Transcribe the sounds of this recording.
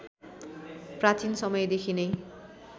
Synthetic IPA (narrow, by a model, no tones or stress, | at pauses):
prat͡sinsʌmʌjed̪ekʰinʌj